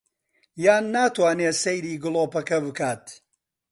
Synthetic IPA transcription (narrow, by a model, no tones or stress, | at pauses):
jaːnːaːt̪waːneːsejɾiːɡɨlˠoːpɐkɐbɨkaːt̪